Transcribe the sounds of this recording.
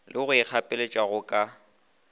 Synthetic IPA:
lɪɣʊɪk͡xʰapʼɪlet͡ʃʼwaɣʊkʼa

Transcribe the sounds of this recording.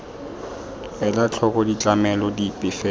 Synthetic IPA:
ɛlat͡ɬʰɔkʼɔdit͡ɬʼamɛlɔdipʼɪfɛ

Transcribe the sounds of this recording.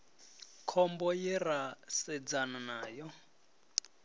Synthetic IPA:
kʰɔmbɔjɛrasɛd͡zananaːjɔ

